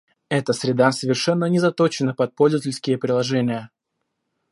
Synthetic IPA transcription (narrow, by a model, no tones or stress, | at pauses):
ɛt̪əsɾʲɪd̪asəvʲɪrʂɛnːənʲɪzɐt̪ot͡ɕɪnəpɐt̪̚polʲzəvətʲɪlʲskʲɪjəpɾʲɪlˠɐʐɛnʲɪjə